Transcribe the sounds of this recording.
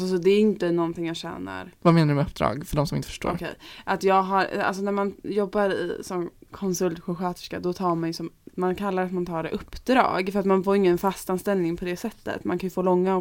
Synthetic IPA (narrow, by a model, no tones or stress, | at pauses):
sɔd̪ɛæɾɪnt̪ənɔnt̪ʰɪŋjaːɕɛ̰ːna̰ɾvameːnaɖɵmɛɵp̚ːd̪ɾɑ̰ːɡfœɖɔmsɔmɪnt̪ə̥fœ̥ʂʈo̰ːɔɾkʰɛ̰jʔat̪jɑːɡɦaɾa̰ls̬ɔnæmanjɔbːaɾɪ̰sɔmkʰɔnsɵlt̪ɧʊɧøːt̪ɛ̥ʂka̰d̪ɔt̪ʰɑːɾmanjɵsɔmmankʰalːaɾat̪mant̪ʰɑːɖɛ̰ʔɵpːd̪ɾɑ̰ːɡfœɾat̪manfoːɾɪŋːənfast̪anst̪ɛlnɪŋpʰɔd̪ɛsɛt̪ːə̰t̪mankʰanjɵfoːlɔŋːa